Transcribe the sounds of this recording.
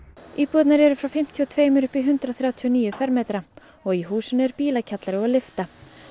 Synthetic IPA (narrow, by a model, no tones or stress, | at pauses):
iːpɔt̪naɾɛɾʏfɾawfɪm̥t̪ʰiɔt̪ʰveːjmɪɾʏhpiɦʏnt̪ɾaθɾjaːwt̪ʰiɔniːjʏfɛɾmeːt̪ɾa | ɔɣiɦuːsʏnʏɛɾpiːlacʰat̪laɾɪɔlɪft̪a